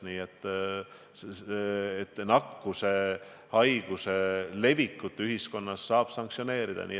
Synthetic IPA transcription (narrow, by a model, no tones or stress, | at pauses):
niːet̪ˑː | t̪ːnɑkːuse̞ | hɑjɡ̥use̞le̞vikːˑut̪ːˑyɦisko̞nːɑsːɑːb̥sɑŋk̪sio̞ne̞ːɾid̪̥ɑ̰nʔḭː